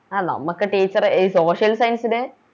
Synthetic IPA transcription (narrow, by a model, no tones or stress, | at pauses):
aːnɐ̰mːukːɨʈiːt͡ɕːɐriso̞ːʂjɐlsɐjnsinɨ